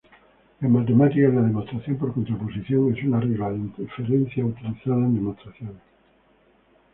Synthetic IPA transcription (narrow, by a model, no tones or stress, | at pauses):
amat̪̬emat̪ikaðaðemost̪ɾaθjompoɾkont̪ɾoposiθjoŋesunareɣlant̪efeɾẽn̟θjaut̪iliθaðɐẽnd̪emost̪ɾaθjõŋ